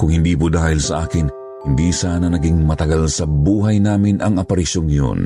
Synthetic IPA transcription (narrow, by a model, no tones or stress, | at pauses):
kʊŋhɪnd̪iːpud̪aːhɪlsɐʔaːkɪn | hɪnd̪iːsaːnɐnɐɡiŋmɐt̪ɐɡalsɐbuːɦɐjnaːmɪnʔɐŋɐpɐɾɪʃoŋːjo̰n